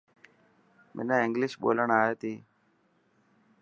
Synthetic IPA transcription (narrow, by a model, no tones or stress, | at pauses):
mʔɛ̰naɪŋɡlɪʃɓo̰ːləɳaːjet̪iː